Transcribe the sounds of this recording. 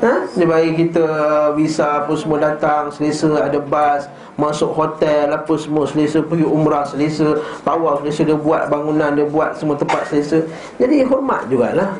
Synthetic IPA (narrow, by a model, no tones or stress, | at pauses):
ədəbaikit̪əwisaːpʊnsəmũədat̪aŋsəlesəadəbas | masʊʔhot̪ɛlːapʊnsəmuəsəlesəpəɡiumɾahsəlesət̪awawsəlesədəbuat̪̚baŋunãndəbuat̪̚səmuət̪əmpat̪̚səlesə | d͡ʒadiɦɔrma̰t̪̚d͡ʒuɡa̰lah